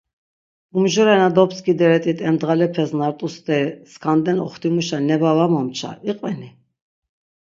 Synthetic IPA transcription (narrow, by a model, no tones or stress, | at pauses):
umʒɔɾɛnad̪ɔpskid̪ɛɾɛt̪ʼit̪ʰʼɛmd̪ʁalɛpʰɛsnaɾt̪ʼust̪ʼɛskʰand̪ɛnɔ̰χt̪ʰimuʃanɛbavamamt͡ʃʰa̰iqʼvɛni